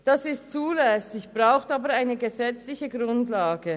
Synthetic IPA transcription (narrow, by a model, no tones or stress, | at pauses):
d̥asɪstt͡suːlɛsɪçb̥ʁaʊxtaːbəʁaɪnəɡəzɛt͡slɪçəɡʁʊntlaːɡə